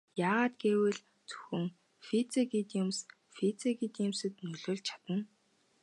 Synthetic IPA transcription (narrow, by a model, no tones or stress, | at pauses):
jaːʁaːt̪ɡeːwɘ̆ɮ | t͡sɵ̥xɵ̆ŋ | fit͡sekit̪jʊms | fit͡sekit̪jimsɘ̆t̪nɵɮoːɮt͡ɕʰḁt̪ə̆n